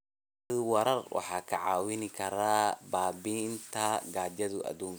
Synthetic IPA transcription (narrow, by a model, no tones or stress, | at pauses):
ðʊwɐɾɐrwʔɑ̰ħɑːkʰɐʕɑːwɪnɪkʰɐɾaːbaːbint̪ʰɐɡaːd͡ʒɐðʊʔɐ̰d̪uːŋ